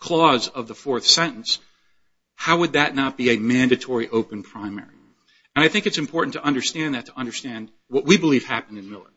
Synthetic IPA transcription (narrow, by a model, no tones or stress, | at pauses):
kʰl̥ɔzʌvðəfɔɹθsɛ̃ɾ̃n̩s | haʊwəd̪̚ðɨtⁿnət̚b̥iɨmæ̃ndɨtʰɔɹiʔoʊpɨ̃npʰɹ̥ãɪ̃mɛ̰ɹi | ɨ̃ñaɪθɪ̃ŋkɨtsɨ̃m̩pʰɔɹʔn̩tʰəʔʌ̃ndə˞stæ̃nðɨtʰəʌ̃ndə˞stæ̃nd̚ | wʌʔ̚wibəliv̥hæpn̩dɨ̃nmɪlˠə̰˞